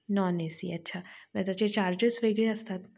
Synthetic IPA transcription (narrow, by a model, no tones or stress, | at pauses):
nɔːneːsḭɐtːʃʰamɛ̃ːt̪ɐt͡ʃʰet͡ʃaːɾd͡ʒesʋeːɡɾjɐst̪ʰaːt̪